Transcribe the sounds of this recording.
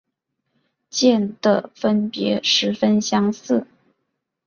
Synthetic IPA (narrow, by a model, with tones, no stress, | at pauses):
t͡ɕjɛ˥˩nd̪ə˩fə˥npjɛ˧˥ʂɻ̩˧˥fə˥nɕjɑ˥ŋsɹ̩˥˩